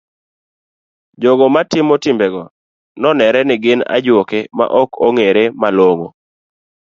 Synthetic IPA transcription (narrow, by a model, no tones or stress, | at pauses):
d͡ʒoɡɔmatɪmotɪmbɛɡɔ | nɔnɛɾɛnɪɡɪna̰d͡ʒwokema̰ʔɔkʰɔŋeɾemaloŋo